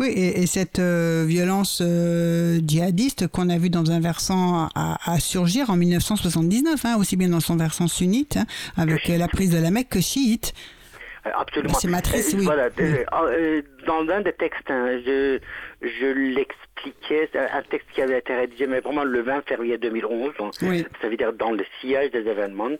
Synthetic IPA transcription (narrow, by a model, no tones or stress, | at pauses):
wiʔeesɛt̪øvjɔlɑ̃sø | d͡ʒiad̪ist̪kɔ̃navyd̪ɑ̃zɛ̃vɛʁsɑ̃a̰ːsyʁʒiʁɑ̃milnəfsɑ̃swasɑ̃t̪d̪iznœfɛ̃osibjɛ̃d̪ɑ̃sɔ̃vɛʁsɑ̃synit̪ʰɛ̃avɛklapχizd̪əlamɛkʰːəʃiit̪ | a̰psolym̃semat̪χiswivwala | d̪ɑ̃zɛ̃d̪et̪ɛkst̪ɛ̃ʒə | ʒəlɛksplikʲʰɛʔɛ̰̃t̪ɛkst̪̚kʲiavɛːt̪eʁed̪iʒemɛpʁɛmɑ̃ləvɛ̃fɛʁjed̪ømilɔ̃zɛ̃wisavid̪iʁd̪ɑ̃ləsiaʒd̪ezevɛnmɑ̃